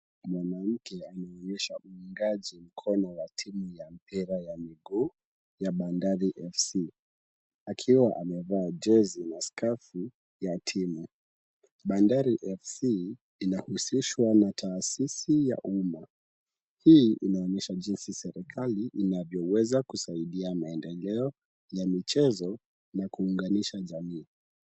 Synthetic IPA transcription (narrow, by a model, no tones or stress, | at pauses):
mwanam̩kɛanaɔɲɛʃauiŋɡaʄim̩kʰɔnɔwatʰimujam̩piɾajamiɡuː | jaɓandaɾiʔɛfsi | akʰiwaʔamɛvaːd͡ʒɛzinaskafu | jatʰimu | ɓandaɾiʔɛfsiː | nahusiʃwanatʰaːsisija̰ʔuma | hiʔinaɔɲɛʃaʄinsisɛɾikʰaliʔinavjɔwɛzakusaiɗiamaɛndɛlɛɔ | jamit͡ʃɛzɔ | nakuːŋɡaniʃaʄamiː